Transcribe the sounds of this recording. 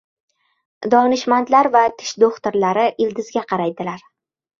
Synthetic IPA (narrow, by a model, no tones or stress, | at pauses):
d̪ɒnɪʃmant̪laɾvat̪ʰɪ̥ʃd̪oχt̪ɪɾlaɾɪʔɪld̪ɪzɡʲaqʰɑɾajd̪ɪlaɾ